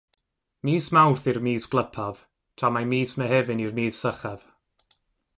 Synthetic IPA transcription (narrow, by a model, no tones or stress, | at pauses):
miːsmawrθirmiːsɡ̥lˠəpʰav̥ | tʰamamiːsmɛɦɛvɪnirmiːθsəχav̥